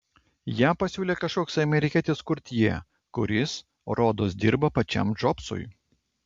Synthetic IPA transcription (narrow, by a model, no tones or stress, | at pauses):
jæːpɐsʲuːlʲeːkɐʃkoːkʲsɐmʲɛɾʲɪkʲiːt̪ʲɪskʊɾʲt̪ʲjiɛ | kʊɾʲɪs | ɾoːd̪oːs̬d̪ʲɪɾbɐpɐt͡ʃʲɛ̰md͡ʒɔpsʊ̰j